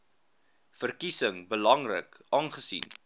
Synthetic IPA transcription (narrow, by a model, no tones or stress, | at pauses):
fərkisəŋbəlɐŋrə̰k | ʔɑːnχəsḭn